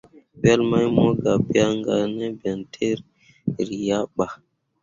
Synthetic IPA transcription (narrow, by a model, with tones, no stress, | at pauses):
bɛ˦lma˦jmo˦ɡa˨bi˦a˦ŋɡa˨ne˦bɛ˨ntʰe˦ɾ | ɾi˨ja˦ɓa˨